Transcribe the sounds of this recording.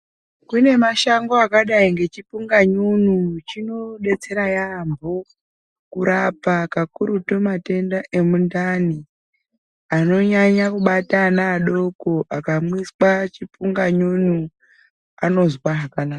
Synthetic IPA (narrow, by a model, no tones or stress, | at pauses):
kune̞maʃaŋɡo̞akaɗaiŋɡe̞t͡ʃipuŋɡaɲunut͡ʃino̞ɗe̞t͡se̞ɾajambo̞ | kuɾapakakuɾutomate̞ndaʔe̞mundani | ano̞ɲaɲakuɓatanaːɗo̞koʔakamwiswat͡ʃipuŋɡaɲunu | ano̞zwaɦakanaːka